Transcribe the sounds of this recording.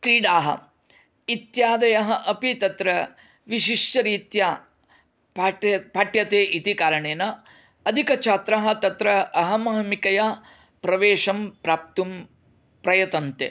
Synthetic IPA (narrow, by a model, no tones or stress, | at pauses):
kɾiːɽaːɦɐ̰ | it̪jaːd̪ɐjɐɦɐʔɐpit̪ɐt̪ɾɐ | ʋiʃiʂt͡ʃɐɾiːt̪ja | pːɐpaːʈjɐt̪eːʔit̪ikaːɾɐɳeːnɐ | ɐd̪ʱikɐt͡ʃʰaːt̪ɾaɦɐ̆t̪ɐt̪ɾɐʔɐɦɐmɐɦɐmikɐjaː | pɾɐʋeːʃɐmpɾaːp̚t̪um | pɾɐjɐt̪ɐnt̪ḛ